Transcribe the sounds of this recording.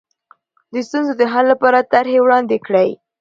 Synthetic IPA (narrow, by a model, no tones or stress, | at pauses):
d̪əst̪unzod̪əɦalːapɑɾat̪aɾhewɽɑnd̪ekɽəj